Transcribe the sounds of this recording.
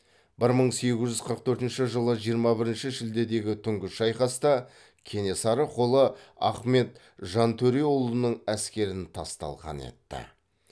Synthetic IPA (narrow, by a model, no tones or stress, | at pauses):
bɪɾməɴse̞ɡʲɪzʒʏzqʰəɾəq̚t̪ʰɵɾt̪ɪnʃɪʒəlˠəʒijəɾmɑbɪɾɪnʃɪʒɪld̪e̞d̪e̞ɡʲɪt̪ʰʏŋɡʲɪʃɑjqɑst̪ɑ | kʲʰe̞ne̞sɑɾəqʰo̞lˠəɑ̰χme̞t̪ | ʒɑnt̪ʰɵɾeolˠənəɴæskʲe̞ɾɪnt̪ʰɑ̰st̪ɑ̰lˠʁɑ̰nḛt̪ːɪ̰